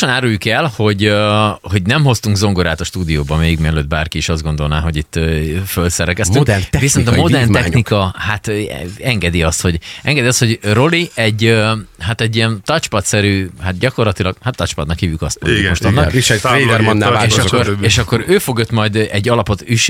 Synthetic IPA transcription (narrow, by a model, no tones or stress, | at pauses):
onaːɾujukɛlho̞ɟøho̞ɟnɛmɦo̞st̪uŋɡzo̞ŋɡoɾaːt̪ɒʃt̪uːd̪ijoːbɒmeːiɡmiɛløːt̪̚baːrkiiʃɒzɡo̞nd̪o̞lna̰ːɦo̞ɟit̪ːfølsɛɾɛkɛst̪yk̪viso̞nnt̪ɒmod̪ɛrnɛxnikɒhat̪ɛŋɡɛd̪iɒst̪ho̞ɟɛŋɡɛd̪iɒst̪ho̞ɟro̞liɛɟøhat̪ɛɟːijɛnt̪ɒt͡ʃpɒt̪sɛɾyːhat̪̚ɟɒko̞rlɒt̪ilɒɡ̥hat̪ːɒt͡ʃpɒd̪nɒkhiːvjykɒst̪mo̰moʃt̪ɔnːɒiʃɛed̪ɛɾmɔnːaeːʃʃɒkːoɾeːʃɒkːo̞ɾøːfo̞ɡjot̪mɒjd̪ɛɟːɒlɒpo̞t̪yʃ